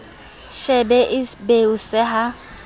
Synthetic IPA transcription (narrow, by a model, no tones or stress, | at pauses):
ʃɛbɛʔɪbeusɛɦa